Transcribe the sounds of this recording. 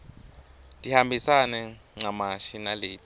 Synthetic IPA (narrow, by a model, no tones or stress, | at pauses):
d̥ʱihambʱisanɛ | ŋ͡ǀamaʃinaleːtʼ